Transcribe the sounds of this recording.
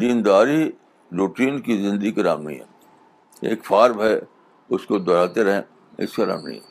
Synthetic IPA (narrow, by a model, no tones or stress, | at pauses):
d̪iːnd̪aːɾi | ɾuːʈiːnkizɪ̃nd̪əikɐɾa̰ːmnḭɦɛ̰ | ḛːkfaːɾbɛ | ʊskod̪ɔɾaːt̪eɾɐɦḛ̃ː | ɪ̰skaɾa̰ːmɳḭɦɛ